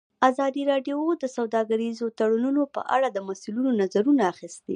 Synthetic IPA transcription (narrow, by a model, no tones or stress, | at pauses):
azɑd̪iɾɑɖjood̪əsawd̪ɑɡaɾizot̪aɽununopə̰ʔa̰ɽad̪əmasulunonazaɾunaːxist̪ḛ